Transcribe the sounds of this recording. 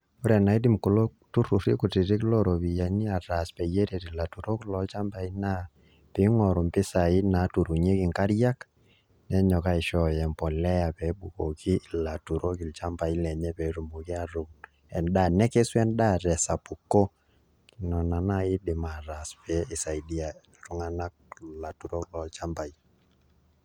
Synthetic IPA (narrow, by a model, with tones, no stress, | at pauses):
ʊ˦ɾɛ˨na˨i˦dɪ˦˨mko˨lo˦ | tu˦ɾu˨ɾi˦kʊ˨ti˨ɾɪ˦klɔ˦ɾo˨βi˨ja˨ni˦a˨ɾa˨spɛ˨je˦ɾe˨ɾi˨la˨tu˨ɾo˦klɔ˨lt͡ʃa˦mba˨i˦na˦ | pɪ˦ŋɔ˨ɾo˨mpɪ˦sa˨ɪ˦na˨˦tu˨ɾu˨ɲe˦kɪ˨ŋka˦ɾja˦k | nɛ˦ɲɔ˨ka˦ɪ˨ʃɔ˨jɛ˨mpɔ˨lɛ˦ja˨pɛ˨bu˨ko˨kʰi˦˨la˨tu˨ɾo˦ki˨lt͡ʃa˦mba˨i˦lɛ˨ɲɛ˦pɛ˨ɾu˨mbo˨ki˦a˦ɾo˦k | ɛ˨nda˦˨nɛ˦ke˦swɛ˦nda˦ɾɛ˨sa˨pu˨kːo˦˨ | nɔ˨na˨na˦ɪ˦dɪ˨ma˨ɾa˨spɛ˨˦ɪ˨sa˨i˨di˦a˨ | ɾu˦ŋa˦na˦k̚la˨tu˨ɾo˦klɔ˨˦lt͡ʃa˦mba˨i˦